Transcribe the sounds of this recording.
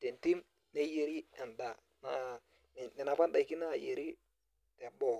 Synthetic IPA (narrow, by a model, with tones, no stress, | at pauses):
te˨nti˦m | ne˦je˨ɾi˦ɛ˨nda˨ | na˦˨ | nɪ˨na˨pa˦n˦da˨i˨ki˦na˦˨je˨ɾi˦ | te˨bɔ˨